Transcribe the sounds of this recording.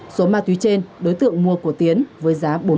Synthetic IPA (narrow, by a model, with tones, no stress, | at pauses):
so˨˦maː˧˩t̪ʰwi˨˦t͡ɕe˧nɗo˨˦jt̪ɨ̰˧˨əŋmu˧əku˧˩ət̪i˨˦ənvəː˨˦jzaː˨˦ɓo˨˦